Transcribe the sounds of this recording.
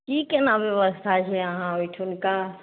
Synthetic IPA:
kikenabjəʋəst̪ʰat͡ʃʰɛəɦãoiʈʰʊnka

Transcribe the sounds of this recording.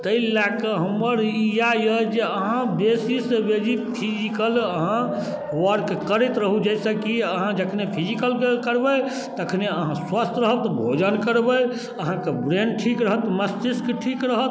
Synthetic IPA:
t̪əilakeɦəmːəɾijajəd͡ʒeəɦãbesisbed͡ʒipʰid͡ʒikələɦã | ʋəɾkkːəɾɛt̪ɾəɦud͡ʒɛisəkiəɦãd͡ʒəkʰnepʰid͡ʒikəlekəɾbəj | t̪əkʰneəɦãswəst̪ɾəɦət̪bʱod͡ʒənkəɾbəj | əɦãkebɾenɖʈʰikɾəɦət̪məsiskʈʰikɾəɦət̪

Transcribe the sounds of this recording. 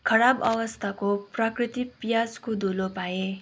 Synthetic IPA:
kʰʌɾabʌwʌst̪ʰakoprʌkrit̪ipijaskod̪ʱulopaje

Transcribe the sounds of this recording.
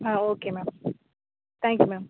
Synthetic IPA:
aokẽmɛ̃m | t̪æ̃ŋkjumɛ̃m

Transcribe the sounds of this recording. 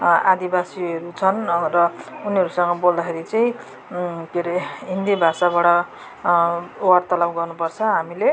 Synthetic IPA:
ad̪ibasiʌɾut͡sʰʌnrʌuniɦʌɾusʌŋɡʌbold̪axeɾit͡saĩ | keɾeɦind̪ibʱasabaɽʌ | oart̪ʌlʌbɡʌrnupʌrt͡sʰʌɦamile

